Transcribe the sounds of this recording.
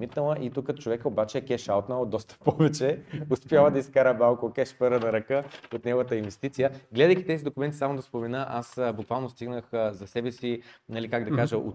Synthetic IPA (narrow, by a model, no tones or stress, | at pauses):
mit̪nəlˠəʔit̪ukːət̪o̥t͡ʃovɛkəobat͡ʃɛːkɛʃalˠt̪nad̪ːɔst̪ə̥pɔvɛt͡ʃɛʊspjavəd̪ɐiskaɾəbalˠkokɛʃpɛɾənɐɾɐkəot̪nɛɡʊvət̪əinvɛst̪it̪sijəɡlɛd̪əjkit̪ɛzid̪okʊmɛnt̪isamod̪ɐspomɛnəʔasbukvalˠnost̪iɡnəxzɐsɛbɛsinɐlikaɡd̪ɐkaʒəʔo̰t̪